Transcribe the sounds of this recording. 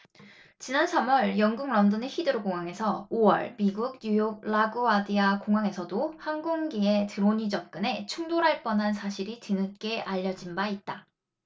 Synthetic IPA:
t͡ɕinansʰamwʌɭjʌŋɡuŋɾʌndɯneçidɯɾoɡoŋaŋe̞sʰʌowʌɭmiɡuɡ̚ɲujok̚ɭaɡuadiakoŋɦaŋe̞sʰʌdohanɡoŋɡie̞tɯɾoɲid͡ʑʌp̚k͈ɯne̞t͡ɕʰuŋdoɾaɭp͈ʌnɦansʰaɕʰiɾitɯnɯk͈e̞ʔaʎːʌd͡ʑinbait̚t͈a

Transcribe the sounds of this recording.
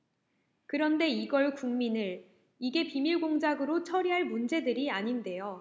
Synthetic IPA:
kɯɾʌnde̞iɡʌɭkuŋminɯɭ | iɡe̞pimiɭɡoŋd͡ʑaɡɯɾot͡ɕʰʌɾiɦaɭmund͡ʑe̞dɯɾiaɲinde̞jo

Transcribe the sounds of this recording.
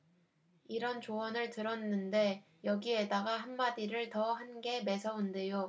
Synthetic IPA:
iɾʌnt͡ɕowʌnɯɭtɯɾʌnːɯnde̞ | jʌɡie̞daɡaɦanmadiɾɯɭtʌhanɡe̞me̞sʰʌunde̞jo

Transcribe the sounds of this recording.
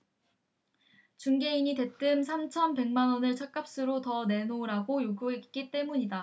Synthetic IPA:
t͡ɕuŋɡe̞iɲite̞t͈ɯmsʰamt͡ɕʰʌnpe̞ŋmanwʌnɯɭt͡ɕʰak͈ap̚s͈ɯɾotʌne̞noɾaɡojoɡuɦek̚k͈it͈e̞muɲida

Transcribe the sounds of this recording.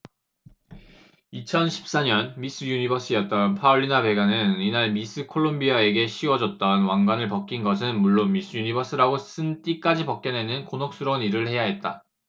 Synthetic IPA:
it͡ɕʰʌnɕʰi̥p̚s͈aɲʌnmis͈ɯjunibʌs͈ɯjʌt̚t͈ʌnpʰaoʎːinabe̞ɡanɯninaɭmis͈ʰɯkʰoɭːombiae̞ɡe̞ɕʰiwʌd͡ʑʌt̚t͈ʌnwaŋɡwanɯɭpʌk͈inɡʌs̬ʰɯnmuɭːonmis͈ɯjuɲibʌs͈ɯɾaɡos͈ɯnt͈ik͈ad͡ʑipʌk̚k͈ʌne̞nɯnkonʌk̚s͈uɾʌniɾɯɭhe̞jaɦe̞t̚t͈a̰

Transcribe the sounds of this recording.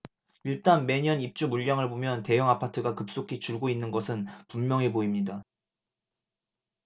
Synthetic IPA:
iɭt͈anme̞ɲʌnip̚t͡ɕ͈umuʎːaŋɯɭbomjʌnte̞jʌŋapʰatʰɯɡakɯp̚s͈okʰit͡ɕuɭɡoinːɯnɡʌsʰɯnpummjʌŋiboimɲida

